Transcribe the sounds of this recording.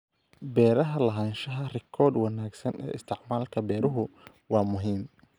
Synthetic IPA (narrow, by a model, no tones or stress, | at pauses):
bɛːɾɐɦɐlɐɦaːnʃɐɦɐrɪkʰɔrd̪wɑnaːɡsɐnɛ̰ːɪst̪ʰɪʕmaːlkʰɐbɛːɾʊɦʊ | wɑːmʊɦiːm